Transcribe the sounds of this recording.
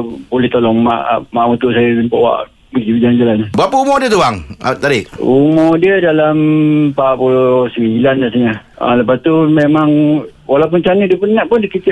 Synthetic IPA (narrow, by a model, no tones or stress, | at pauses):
bulɪht̪olɔŋma̰ʔmaʔmut̪uʔsajəəmpaʔwa̰ʔ | bəkibid͡ʒaand͡ʒalanbapaumɔdiət̪uaŋat̪adiʔumɔdiədalampapulosəmiilandasaɲaa̰ləpast̪umemaŋ | walaup̬ʊnt͡ʃanədiəpənnaʔpʊndikit̪ɪ